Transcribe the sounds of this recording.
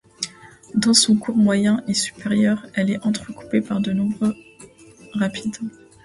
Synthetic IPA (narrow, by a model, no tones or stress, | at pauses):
d̪ɑ̃sɔ̃kuʁmwajɛ̃ʔesy̥peʁjœʁɛlɛʔɑ̃t̪χəku̥pepaʁd̪ənɔ̃bʁø | ʁapʰid̪